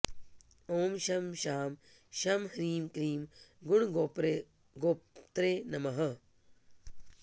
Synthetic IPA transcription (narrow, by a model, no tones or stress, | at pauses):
oːmʃɐmʃaːm | ʃɐmhɐɾiːmkɾiːmɡuɳɡopɾe | ɡoːt̪ɾeːnɐmɐɦɐ